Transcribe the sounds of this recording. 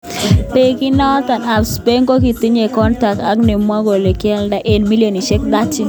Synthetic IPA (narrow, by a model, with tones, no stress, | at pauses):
pe˨˦ki˦na˦t̪a˨na˨pspe˦ŋko˦ki˨t̪i˦ɲe˨kɔ˦nta˨k̚a˦kni˨mwa˦ɡo˨le˨kjɛ˦lda˦ʔe˨nmi˦ljo˨ni˨ʃɛ˦k̚d̪a˦t͡ʃi˦